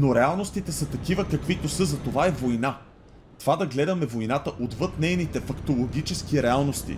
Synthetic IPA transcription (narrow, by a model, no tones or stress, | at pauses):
noɾɛalˠnost̪it̪ɛsɐt̪ɐkivəkɐkvit̪osɤzɐt̪ovaɛvojna | t̪ovad̪ɐɡlɛd̪ɐmɛvojnat̪əʔod̪vɤt̪nɛjnit̪ɛfɐkt̪olˠoɡʲit͡ʃɛskiɾɛalˠnost̪ḭ